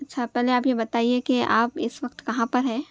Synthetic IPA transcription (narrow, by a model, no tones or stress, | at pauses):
ɐtːʃʰapɛɦleaːpjebɐt̪aːiekeʔaːpɪsʋɐkt̪kɐɦãpɐɾɦɛ̃ː